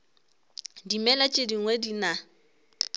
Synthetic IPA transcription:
dimɛlat͡ʃʼediŋ̩wedina

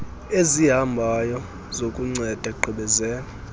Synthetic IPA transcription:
eziɦambʱajɔ | zokʼuŋ͡ǀɛd̥ʱɛkʼǃʰʱɛɓɛzɛːla

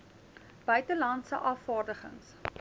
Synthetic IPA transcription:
b̥œɥtəlɐntsə̰ʔɑːfɑːrdəχə̰ŋs

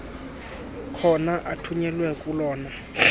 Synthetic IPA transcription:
kʰɔnaʔatʰuɲɛlwɛkʼulɔːna

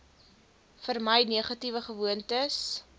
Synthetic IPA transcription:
fərməjniːχɐtivəχəvuəntəs

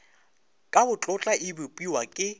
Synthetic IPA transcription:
kʼabʊt͡ɬʼʊt͡ɬʼaʔɪbʊpʼiwakʼɪ

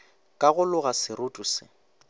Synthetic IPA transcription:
kʼaɣʊlʊɣasɪrʊtʼʊsɪ

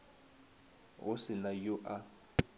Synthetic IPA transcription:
ɣʊsɪnajʊʔa

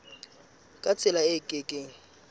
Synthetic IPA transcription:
kʼat͡sʰʼɪlaɪkʼɪkʼeŋ̩

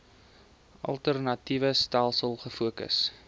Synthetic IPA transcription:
ʔɐ̰lˠtərnɐtivəstælˠsəlˠχəfuəkə̰s

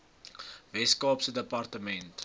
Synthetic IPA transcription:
vɛskɑːpsədəpɐrtəmɛnt

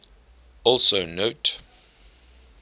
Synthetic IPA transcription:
ɔlˠsoʊnoʊt

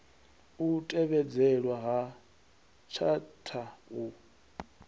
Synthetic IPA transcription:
utʼɛβɛd͡zɛlwaɦa | t͡ʃʰatʰau

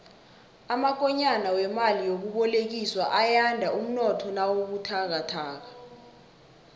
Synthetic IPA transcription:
amak̬ɔɲanawɛmalijok̬uɓɔlek̬iswaʔajandʱaʔum̩nɔtʰɔnawok̬utʰak̬atʰaːk̬a

